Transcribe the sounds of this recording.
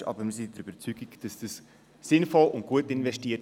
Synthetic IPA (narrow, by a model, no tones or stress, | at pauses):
ɑ̰ːbəɾmɪzɪntdəɾyb̥əɾt͡syɡiɡd̥ɑsd̥ɑs | sɪnfɔlʔʊnt̚ɡ̥uətɪnvɛʃtiː